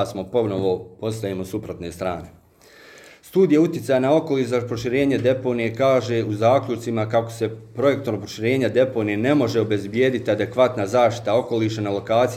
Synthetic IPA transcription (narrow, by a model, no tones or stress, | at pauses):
smo̞po̞noʋopo̞st̪ajemosupɾot̪ne̞ːst̪ɾaːne̞ | st̪uːd̪ijaut̪jetsajanao̞ko̞liːʃzapɾo̞ʃiɾe̞ːɲed̪e̞po̞ːnijekaːʒe̞uzaːkʎut͡ʃt̪simakako̞̥se̞pɾo̞je̞k̚t̪oɾopɾoʃiɾe̞ːɲad̪e̞po̞ːnijene̞mo̞ʒe̞obe̞zbje̞ːd̪it̪iad̪e̞kʋat̪nazaːʃt̪i̥t̪ao̞ko̞liːʃanalo̞kaːt̪s